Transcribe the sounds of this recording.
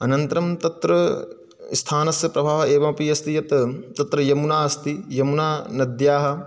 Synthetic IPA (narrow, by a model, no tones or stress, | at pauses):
ɐnɐnt̪ɐɾɐmt̪ɐt̪ɾɐ | st̪ʰaːnɐsjɐpɾɐbʱaːʋɐeːʋɐmpijɐst̪ʰijɐt̪t̪ɐt̪ɾɐjɐmunaːɐst̪ijɐmunaːnɐd̪jaːɦɐ̆